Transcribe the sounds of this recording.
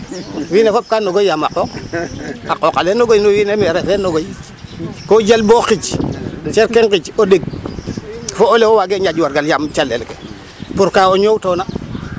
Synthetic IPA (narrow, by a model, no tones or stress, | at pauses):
wiːnefop̚kaːnːoɡojamaqoːk | aqokalenoɡojnowinemɛɾefenoɡoji | koɟalboxiɟt͡ʃeɾkeŋkit͡ʃodeɡ̚ | foolewowaɡeɲaɟwaɾɡaljamt͡ʃalḛlkḛ | puɾkaːwoɲowtona